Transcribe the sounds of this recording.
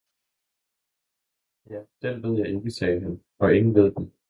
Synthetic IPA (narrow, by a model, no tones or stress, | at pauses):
jæd̥eɐ̰ʋeðˠjɑ̈ɪe̝nd̥isɛːɦæn | ɒ̽e̝ŋn̩ʋe̝ð̞̰ˠd̥e